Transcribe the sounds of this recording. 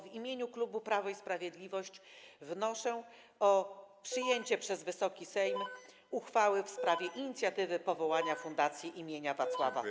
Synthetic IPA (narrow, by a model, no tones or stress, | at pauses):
vimʲjeɲuklubupɾavɔispɾavʲjed̪lʲivɔɕt͡ɕvnɔʂɛ | ɔpʂɘjeɲt͡ɕɛpʂɛzvɘsɔkʲisɛjm | uxfawɘfspɾavʲjɛʔiɲit̪sʲjat̪ɘvɘpɔvɔwaɲafund̪at̪sʲjiʔimʲjeɲavat̪swava̰